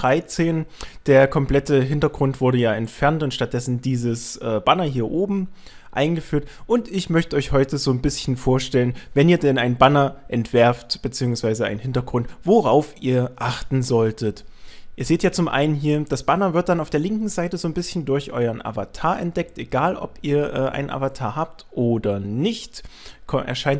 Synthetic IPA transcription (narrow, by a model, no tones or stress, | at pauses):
ʁaɪt͡seːnd̥eːɐkʰɔmpl̥ɛtəɦɪntɐɡʁʊntv̥ʊɐɾəjaːɛntfɛɐntʊntʃtat̚d̥ɛsn̩diːzəsʔɛːbanɐɦiːɐʔoːbm̩ | ʔa̰ɪnɡəfyːɐtʔʊntɪçmœçtəɔʏçhɔʏtəzoːnbɪsçn̩foːɐʃtɛlənvɛniːɐdɛnaɪnbanɐʔɛntv̥ɛɐftb̥ət͡siːʊŋsv̥aɪzəa̰ɪnhɪntɐɡʁʊntv̥oʁaʊfiːɐʔaχtn̩zɔltʰətʔiːɐzeːtjaːt͡sʊmʔa̰ɪnənɦiːɐd̥asb̥anɐvɪɐt̚d̥anaʊfd̥eːɐlɪŋkŋ̩zaɪtəzoːnbɪsçn̩dʊɐçʔɔ̰ʏɐnʔa̰va̰tʰaːɐʔɛ̰ntd̥ɛk̚tʔeɡaːlʔɔ̰piːɐʔɛːʔa̰ɪnənʔa̰vatʰaːɐɦaːptʔoːdɐnɪçtkʰɔʔɛ̰ɐʃaɪnt